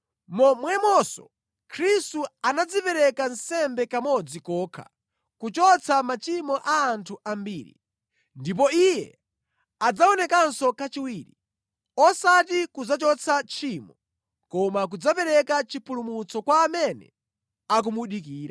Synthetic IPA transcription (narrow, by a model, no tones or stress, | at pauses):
mɔmwɛmɔsɔ̰ | kʰɾistuanad͡zipɛɾɛkansɛmbɛkamɔd͡zikɔːkʰa̰ | kut͡ʃɔt͡sʰamat͡ʃimɔʔaːntʰuʔambiːɾḭ | ndip̬ɔijɛ | ad͡zaɔnɛkansɔkat͡ʃiwiːɾḭ | ɔsatikud͡zat͡ʃɔt͡sʰat͡ʃʰiːmɔ | kɔmak̬ud͡zapɛɾɛkat͡ʃipʰulumut͡sɔkwaːmɛnɛ̰ | ak̬umuɗikiːɾa